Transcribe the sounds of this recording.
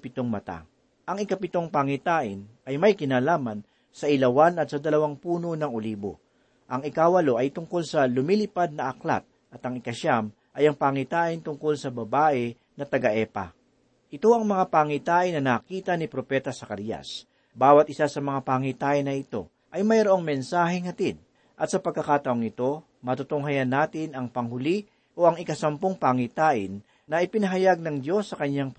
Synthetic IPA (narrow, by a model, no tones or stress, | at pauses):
pɪt̪o̞ŋmɐt̪a̰ | ʔɐŋɪkapɪt̪o̞ŋpaŋit̪aːʔɪn | ɐjmɐjkɪnaːlaːmɐn | sɐʔɪlɐwanɐt̪̚sɐd̪ɐlɐwaŋpuːno̞nɐŋoliːbo̞̰ | ʔɐŋɪkaːwɐlo̞ʔɐjt̪ʊŋko̞lsɐlʊmiːlɪpad̪̚nɐʔɐkla̰t̪̚ | ʔɐt̪ɐŋɪkɐʃam | ʔɐjɐŋpaŋit̪aːʔɪnt̪ʊŋko̞lsɐbɐbaːʔɛ | nɐt̪ɐɡɐʔɛpɐ̰ | ʔɪt̪o̞ɐŋmɐŋapaːŋit̪aːʔɪnːɐnaːkiːt̪ɐnipɾo̞pɛːt̪ɐsɐkɐɾijɐ̰s | baːwɐt̪ʔɪsasɐmɐŋapaːŋit̪aːʔɪnːɐɪt̪o̞̰ | ʔɐjmɐjɾoʔoŋmɛnsaːɦɛŋhɐt̪id̪̚ | ʔɐt̪̚sɐpɐɡ̚kɐkaːt̪ɐʔoŋɪt̪o̞ | mɐt̪ʊt̪oŋɦajɐnːaːt̪ɪnɐŋpɐŋhʊli | ʔo̞ʔɐŋɪkɐsɐmpoŋpaŋit̪aːʔɪnː | ɐʔɪpɪnɐɦɐjaɡ̚nɐŋd̪jo̞sːɐkɐɲjaŋ